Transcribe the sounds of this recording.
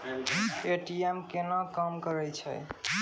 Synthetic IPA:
eʈiemkenəkəmkəɾɛjt͡ʃʰə̰j

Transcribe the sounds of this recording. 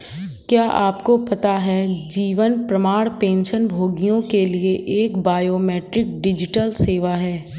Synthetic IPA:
kjaːʔaːpkopɐt̪aɦɛd͡ʒiːʋənpɾɐmaːɽpẽːnʃənbʱoːɡijõkelieʔeːkbaːjoːmɛːʈɾɪk̚ɖɪd͡ʒɪʈəlseːʋaɦɛː

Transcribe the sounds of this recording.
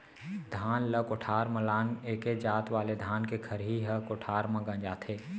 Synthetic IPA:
d̪ʱaːnləkoʈʰaːɾməlaːneːked͡ʒaːt̪ʋaːled̪ʱaːnkekʰɐɾɦiɦəkoʈʰaːɾmə̃ɡə̃d͡ʒaːt̪ʰeː

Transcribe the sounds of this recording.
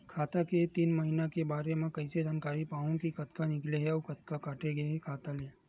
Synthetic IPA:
kʰaːt̪aket̪iːnmɐɦinakebaːɾemẽkɐised͡ʒaːnkaːɾipaːõkikɐt̪kanɪkleɦɛːkɐt̪̚kakaːʈeɡɐeɦɛkʰaːt̪ale

